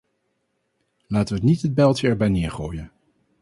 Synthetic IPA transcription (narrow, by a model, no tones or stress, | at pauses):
laːtəʋəətnitɦəd̚bɛlˠtəɛɹbɛjnɪːɹχoːjən